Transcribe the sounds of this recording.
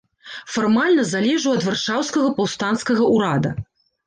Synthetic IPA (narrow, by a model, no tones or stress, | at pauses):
farmalʲnɐzalʲɛʐuɐd̪varʂawskɐɣɐpawst̪anskɐɣɐʔuɾad̪ɐ